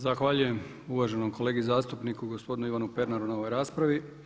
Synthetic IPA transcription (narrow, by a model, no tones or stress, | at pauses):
zaxʋaʎuje̞m | uʋaʒe̞no̞mkʰo̞le̞ːɡizaːst̪upnikuɡo̞spo̞d̪inuiʋanupe̞ɾnaɾunao̞ʋojɾaːspɾaʋi